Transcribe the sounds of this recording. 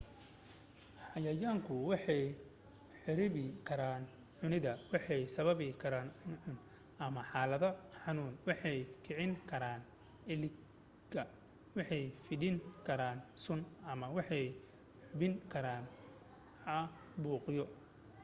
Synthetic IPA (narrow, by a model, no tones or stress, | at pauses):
ħɑjɐjaːŋkʰʊwɑħɛj | ħɪɾɪβɪkʰɐɾaːn | ʕʊnɪðɐwɑħɛjsɐβɐβɪkʰɐɾaːnɪnʕʊn | ʔɐmɐħɑːlɐðɐħɑnuːnwɑħɛjkʰɪʕɪŋkʰɐɾaːn | ɪlɪ | ɡɐ | wɑħɛjfɪdɪŋkʰɐɾaːnsʊnɐmɐwɑħɛj | ħʊβɪŋkʰɐɾaːn | ɐ | buːqjɔ